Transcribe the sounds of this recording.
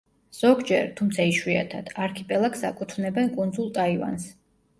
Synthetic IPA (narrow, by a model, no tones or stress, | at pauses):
z̥ɔɡd͡ʒɛɾt̪ʰumt̪sʰaiʃwia̰t̪ʰad̪̥aɾkʰipʼɛlˠaksa̰kʼut̪ʰvnɛbɛnkʼund̪zulˠt̪ʼaiva̰ns